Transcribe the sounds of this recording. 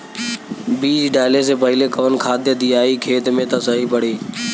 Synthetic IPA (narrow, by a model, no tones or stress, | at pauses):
biːd͡ʒɖaːleːs̬eːpəɦɪleːkəʋənkʰaːd̪jəd̪iːaːiːkʰeːt̪mẽːt̪ãːsəɦiːpəɽeː